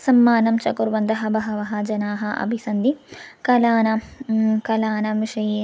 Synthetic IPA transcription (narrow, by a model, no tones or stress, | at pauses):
sɐmːaːnɐmt͡ʃɐkuɾʋɐnd̪ɐɦɐbɐɦɐʋɐɦɐd͡ʒɐnaːɦɐʔɐ̰bʱisɐnd̪ikɐlaːnɐkɐlaːnɐʋiʂɐjeː